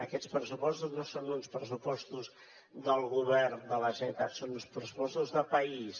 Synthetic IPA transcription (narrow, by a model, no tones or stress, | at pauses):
əkɛspɾəsupɔst̪uznosonunspɾəsupɔst̪uz | d̪əlˠɣuβɛrnd̪ələʒɛt̪at̪sonunspɾəsupɔst̪uzðəpəis